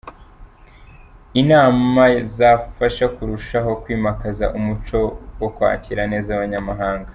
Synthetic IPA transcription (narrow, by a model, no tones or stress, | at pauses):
inaːmazafaʃakuɾuʃaɦo̞kwiːmakaza̰ʔumut͡ʃo̞wokwa̰ːciɾane̞ːzaβaɲamaɦaːŋɡa